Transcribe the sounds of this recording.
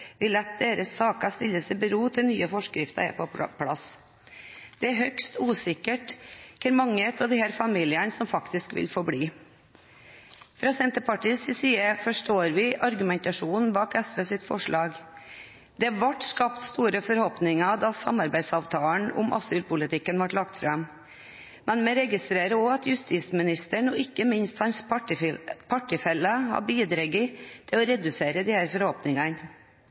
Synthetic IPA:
ʋɪlɛt̪̚d̪eːɾəsːɑːkɑst̪ɪlːəsɛbəɾuːt̪ʰɪlnyːəfɔʂkɾɪft̪ɑ̰ɾɛ̰pʰɔpʰlɑ̰s | d̪̥ɛæɾɦœkst̪uːsɪkːəʈkʰɛɾmɑŋːəɛt̪ɑd̪ɪhæːɾfɑmiːlɪənsɔmfɑkt̪ɪskʋɪ̰lfɔɾbɽiː | fɾɑːsɛnt̪əɾpɑʈiːsɪsiːəfɔʂʈoːɾʋɪʔɑɾɡʉmɛnt̪ɑʂuːnn̩bɑːkɛsʋeːsɪt̪ːfɔ̰ʂɭɑːɡ | d̪ɛʋɑʈskɑpt̪st̪uːɾəfɔɾhɔpnɪŋɑd̪ɑsɑ̰mɑɾbæɪd̪sɑːʋt̪ʰɑːɳʊ̰mʔɑ̰syːlpʊlɪt̪ɪkːənʋɑʈlɑkt̪fɾɑm | mɛnmɛɾɛɡɪst̪ɾeːɾəɔɑt̪jʉst̪iːsmɪnɪst̪əɳɔːɪkːəmɪnst̪hɑns | pʰɑʈːɪfɛlːəhɑ̰biːd̪ɾɛɡɪt̪ʰɪlɔɾɛd̪ʉseːɾəd̪ɪːhæːɾfɔɾhɔːpnɪŋɑn

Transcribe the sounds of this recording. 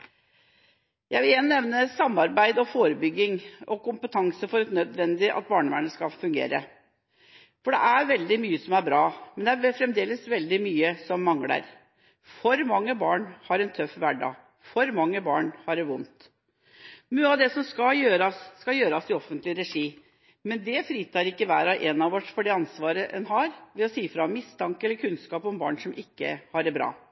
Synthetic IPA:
jæɪʋɪljɛnnɛʋnəsɑmːɑɾbæɪd̪ɔfoːɾəbʏɡːɪŋɔkʊmpət̪ʰɑŋsəfɔɾɛt̪nœd̪ʋɛnd̪ɪʔɑ̰t̪̚bɑːɳəʋæɳəskɑfʉŋɡḛːɾə̰ | fɔɖɛʔæɾʋɛld̪ɪmyːəsɔmæɾbɾɑːmɛnd̪ɛæɛfɾɛmd̪eːləsʋɛld̪ɪmyːəsɔmːɑŋlə̰ɾ | fɔɾmɑŋːəbɑːɳhɑɾɛnt̪ʰœfʋæɖɑ̰ | fɔɾmɑŋːəbɑːɳhɑɖɛʋʊnt̪ | nʉːɑʋd̪ɛsɔmskɑjøːɾɑsːkɑjøːɾɑsɪɔfənt̪lɪɾɛʂiː | mɛnd̪ɛfɾiːt̪ɑɾɪkːəʋæ̰ːɾɑʔɛnɑʋɔʈːfɔɖɛɑnsʋɑːɾəʔɛnɦɑɾʋɛɔsiːfɾɑmɪst̪ʰɑŋkɛlːəɾkʰʉnskɑːpɔmbɑ̰ːɳsɔmʔɪkːə̰hɑɖɛbɾɑ̰ː

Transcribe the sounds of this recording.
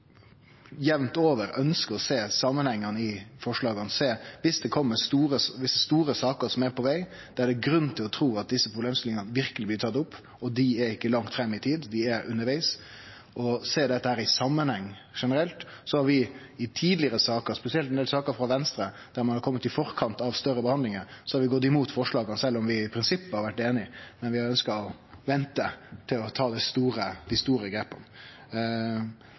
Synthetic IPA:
jɛʋnt̪oːʋəɾœnskəɾɔseːsɑmːənhɛŋːənəɪfɔʂɭɑːɡənseːʋɪsd̪ɛkʰɔmːəst̪uːɾəsʋɪsːəst̪uːɾəsɑːkəɾsɔmæɾpʰɔʋæɪ | d̪̥ɛædɛɡɾʉn̩ːt̪ʰɪlɔt̪ʰɾuːɑt̪̚d̪ɪsːəpɾʊbleːmst̪ɪlɪŋənəʋɪɾkəlɪblɪt̪ʰɑt̪ːʊpː | ɔd̪ɪæɾɪkːəlɑŋt̪fɾɛmːɪt̪ʰiːd̪d̪ɪæɾʉnːəɾʋæɪs | ʔɔseːd̪ɛt̪ːəhæːɾɪsɑmːənhɛŋː | ʂɛnəɾɛlt̪sɔhɑɾʋɪ | ɪt̪ʰiːd̪lɪəɾəsɑːkəɾspɛsɪɛlt̪ɛnd̪eːlsɑːkəɾfɾɑʋɛnst̪ɾə | d̪̥æɾmɑnhɑɾkʰɔmːət̪ɪfɔɾkʰɑnt̪ɑʋst̪œɾəbəhɑnd̪ɪŋəɾsɔhɑɾʋɪɡɔt̪ːɪmuːt̪fɔʂɭɑːɡɑnsɛlːɔmʋɪɪpʰɾɪnsɪpːəhɑɾʋæʈːeːnɪmɛnʋɪhɑɾœnskɑɔ | ʋɛnt̪ət̪ʰɪlɔt̪ʰɑːd̪æst̪uːɾəd̪ɪst̪uːɾəɡɾeːpːə̰n

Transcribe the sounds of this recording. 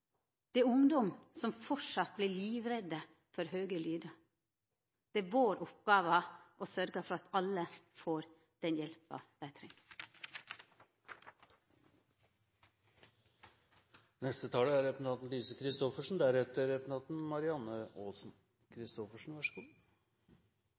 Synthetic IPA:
d̪̥ɛæʊŋd̪ɔmsɔmfɔʂɑt̪̚bliliːʋɾɛd̪ə | fɔɾɦøːɡəlyːd̪ə | d̪̥ɛæʋoːɾʔɔp̚ɡ̥ɑːʋəʔosœɾɡəfɔɾɑt̪ɑlːəfoːɾ | d̪̥ɛnjɛlpɑ̰d̪̥æɪt̪ʰɾɛŋə | nɛst̪ət̪ʰɑːləæɾɛpnɑt̪n̩liːsəkʰɾɪst̪ɔfəʂɳ̩d̪æɾhɛt̪əɾɛpnʰɑːt̪n̩mɑɾɪɑnːəoːsn | kʰɾɪst̪ɔfəʂɳ̩ʋɑʂəɡuː

